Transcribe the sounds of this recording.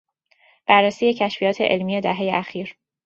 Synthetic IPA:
b̥ærːesiːje̞cʰæʃfijɒːt̪ʰe̞ʔelmije̞d̪æɦe̞jeʔæxiːɾ

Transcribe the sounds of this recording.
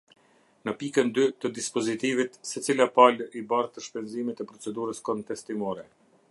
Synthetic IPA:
nəpikənd̪yt̪əd̪ispɔzit̪ivit̪sɛt͡silapalibaɾt̪əʃpɛnzimɛt̪ɛpɾɔt͡sɛd̪uɾəskɔnt̪ɛst̪imɔɾɛ

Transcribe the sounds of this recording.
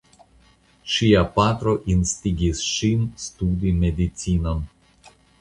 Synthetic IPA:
ʃiapat̪ɾoʔinst̪ʲiɡʲisʃinst̪ud̪imed̪it̪sinan

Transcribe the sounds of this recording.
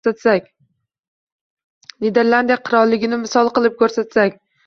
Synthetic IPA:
at̪sakʲ | lid̪e̞ɾlˠand̪ijaqʰɨɾɒlˠːɪɡʲɪnɪmɪsɒlˠqɨlˠɪp̚kʰɵɾsat̪sakʲ

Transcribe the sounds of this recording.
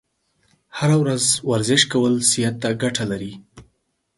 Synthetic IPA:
haɾawɾazwaɾzɪʃkawəlsijat̪ːaɡaʈʰalaɾi

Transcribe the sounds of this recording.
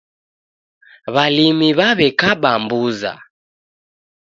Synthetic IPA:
βalimiβaβɛkaɓambuza̰

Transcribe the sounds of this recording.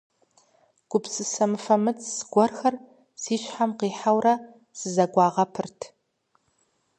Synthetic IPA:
ɡ̥ʷʊpsɨsɐmɨfɐmɨt͡sʰʼsɡ̥ʷɔrxɐr | siːʃʷħamqiːħawra | sɨzɐɡʷɑːʁɐpʰɨrtʰ

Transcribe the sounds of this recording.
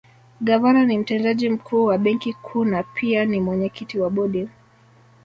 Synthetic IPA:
ɡavananim̩tɛndaʄim̩kʰuːwaɓɛŋkikʰuːnapʰianimwɛɲɛkitiwaɓɔɗi

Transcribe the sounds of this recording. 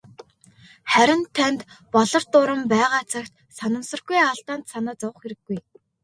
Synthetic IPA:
χæɾʲɪ̆nt̪ʰːænt̪pɔɮɞ̆rt̪ʊɾə̆mpæːʁaːt͡sʰakt̪ | sanə̆msə̆rɡujaɮt̪aːnt̪sanaːt͡sɔwə̆χxeɾɘ̆ɡːuj

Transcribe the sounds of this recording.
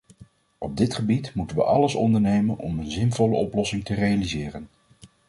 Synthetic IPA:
ʔɔb̚dɪtχəbitmutənʋə̰ʔɑləsɔ̰ndəɹnejmənɔ̰mənzɪnvɔləɔplɔsɪŋtərejalizɪːrən

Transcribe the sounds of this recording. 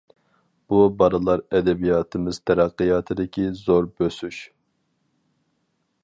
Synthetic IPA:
b̥ubɑɾɨlˠɑɾɛd̪ɛbijɑːt̪ʰɨmɨz̥t̪ʰɛɾɑqːijɑːt̪ʰɨd̪ɪkʲʰizoɾbøsyʃ

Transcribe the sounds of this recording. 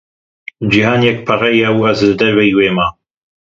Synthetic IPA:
d͡ʒihaːnjɛk̚pʰɐrɛjaːwuɐzd̪d̪ɐɾwɐjweːmaː

